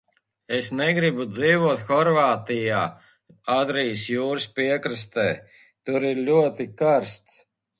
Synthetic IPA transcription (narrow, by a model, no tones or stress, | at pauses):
esnɛɡɾibud̪ziːvuɔt̪xɔɾvaːt̪ijaː | ad̪ɾijsjuːɾɨspʲiɛkɾɨst̪ɛː | t̪uɾiɾlʲuɔt̪ikaɾst̪s